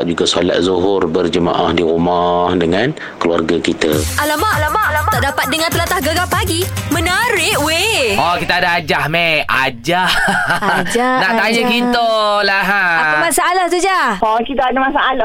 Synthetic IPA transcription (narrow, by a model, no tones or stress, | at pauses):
ʔ̚d͡ʒuɡasola̰ʔ̪̚zuɦʊrbərd͡ʒəma̰ʔahdiɾumahdəŋan | kəlua̰rɡakit̪aʔalamaʔalamaʔalamat̪aʔdapat̪̚dəŋãnt̪əlat̪ahɡaɡapaɡimənaɾɪʔweɔkit̪aːdaad͡ʒahmead͡ʒah | d͡ʒanaʔ̪ajəkit̪olaɦaaamasaːlaht̪ud͡ʒaɔkit̪aadamasaalah